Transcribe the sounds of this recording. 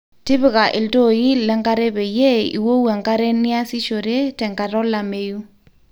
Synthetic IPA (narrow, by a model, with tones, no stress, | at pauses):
tɪ˦βɪ˦˨ka˨ʔɪ˨lto˦˨ji˦lɛ˦ŋka˦ɾe˦bɛ˨je˦ḭ˨wo˦wɛ˨ŋka˦ɾe˦nɪ˦a˦si˦ʃo˨ɾe˦tɛ˨ŋɡa˨ɾɔ˦la˨me˦ju˦